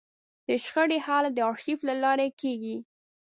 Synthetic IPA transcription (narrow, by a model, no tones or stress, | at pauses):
d̪̥əʃxəɽehɑlad̪əɑɾʃiflalɑɾekeɡi